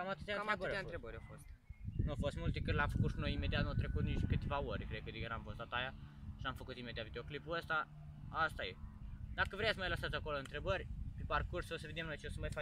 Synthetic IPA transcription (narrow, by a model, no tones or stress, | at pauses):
kamat̪ɨt̪jantɾant̪ɾebəɾjafost̪nuafo̞st̪mult̪ekɨɾlʲamfəkuʃinojimed̪iat̪nat̪ɾe̞kut̪niʃt̪ʲkɨt̪evaoɾʲkɾed̪̚kəd̪ejeɾamvost̪at̪ajaʃiamfəkut̪ime̞d̪iat̪vid̪eoklipuəst̪a | ast̪ajed̪akəvɾeet̪sʲmajlasat̪ʲako̞loɨnt̪ɾe̞bərʲpeparkursosəve̞d̪e̞mno̞jt͡ʃeosəmajfa